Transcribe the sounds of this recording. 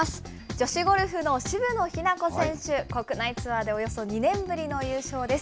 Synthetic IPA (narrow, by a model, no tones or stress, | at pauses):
asɨ̥ | d͡ʑo̞ɕiɡo̞ɾɯ̟ɸɯ̟no̞ɕibɯ̟no̞çinako̞sẽ̞ɰ̃ɕɨko̞kɯ̟nait͡sɨβad̪e̞o̞jo̞so̞ɲ̟inẽ̞mbɯɾʲino̞jɯ̟ːɕo̞ːd̪e̞sɨ̥